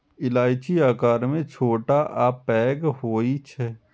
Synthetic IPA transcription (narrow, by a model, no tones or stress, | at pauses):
ɪlaːjt͡ʃiaːkaːɾmẽt͡ʃʰoːʈaʔapɛːɡɦoːit͡ʃʰɛ